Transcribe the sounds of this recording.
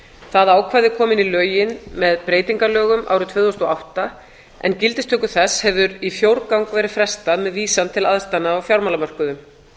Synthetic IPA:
θaðaːwkʰvajðɪkʰɔːmɪnilœːɥjɪnmɛðpɾeːjt̪iŋkalœːɣʏmʔa̰wɾʏt̪ʰvʏːðowst̪ɔawht̪a | ʔɛ̰ncɪlt̪ɪst̪ʰœhkʏ̥θɛshɛvðʏɾifjowɾkawŋkvɛːɾɪfɾɛst̪aðmɛðviːsant̪ʰɪlaðst̪anːaawfjawɾmalamœr̥kʏðʏm

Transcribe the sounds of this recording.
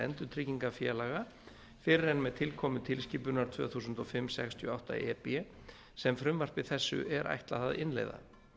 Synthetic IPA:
ɛ̰nt̪ʏɾt̪ʰɾɪcːiŋkafjɛːlaɣa | fɪɾɪɾɛnmɛðt̪ʰɪlkʰɔːmʏt̪ʰɪlsciːpʏnaɾ̥t̪ʰvœ̰ːθusʏnt̪ɔfɪmːsɛ̰kst̪ʰjœ̰ːawht̪a̰ɛpɛ | sɛmfɾʏmvar̥pvɪθɛsːʏ̰ʔɛɾʔa̰jht̪laθaðɪnlḛjða̰

